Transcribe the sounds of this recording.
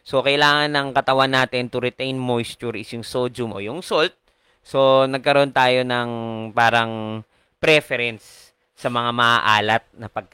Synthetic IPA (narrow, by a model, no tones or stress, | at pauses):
so̞kɐʔɪlaːŋɐnːɐŋkɐt̪ɐwanːaːt̪ɪnt̪ʊɾɛt̪ɛjnmojst̪uɹɪsjʊŋsoːd͡ʒʊmʔo̞̰jʊŋsolt̪̚ | so̞nɐɡ̚kɐɾo̞nt̪aːjo̞nɐŋpaːɾɐŋ | pɾɛfɛɾɛnsː | ɐmɐŋamɐʔaʔaːlɐt̪̚nɐpɐɡ̚k